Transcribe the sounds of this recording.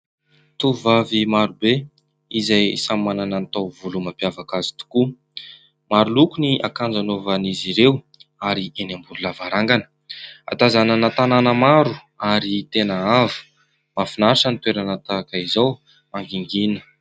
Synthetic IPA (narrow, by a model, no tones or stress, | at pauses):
t̪uvavimaɾube | izajsamimananant̪awvulumampjavakazi̥t̪u̥ku | maɾulukuniʔakand͡zanovaniziɾew | aɾiʔenambululavaɾaŋɡanə̥ | a̰t̪azananat̪ananəmaɾu | aɾit̪enəavu̥ | mafinaɾiʈ͡ʂənit̪weɾanat̪akaizaw | aŋɡiŋɡinə̥